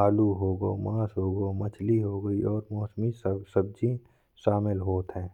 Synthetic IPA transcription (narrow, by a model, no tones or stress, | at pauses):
aːluɦoːɡoːmaːsɦoːɡomɐt͡ʃʰliɦoːɡəiɔːɾmɔːsmissəb̚d͡ʒĩ | ʃaːmɪlɦoːt̪ɦɛ̃ː